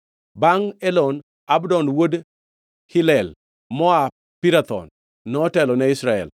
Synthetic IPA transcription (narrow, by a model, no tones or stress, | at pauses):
baŋɛlɔn | abdɔnwod | hɪlɛl | mɔa | piɾat̪ɔ̰nː | ɔːtɛlɔnɛɪsɾaɛ̰l